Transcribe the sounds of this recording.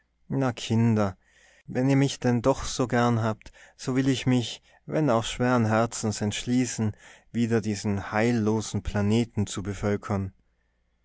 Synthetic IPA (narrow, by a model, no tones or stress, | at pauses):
nakʰɪndɐ | vɛniːɐmɪçd̥ɛndɔχz̥oːɡɛɐnɦaːp̚tz̥oːvɪlɪçmɪç | vɛnaʊfʃv̥eːʁənɦɛɐt͡sn̩sɛntʃliːsn̩viːdɐdiːzn̩haɪlːoːzn̩pʰl̥aneːtn̩t͡subəfœlkʰɐn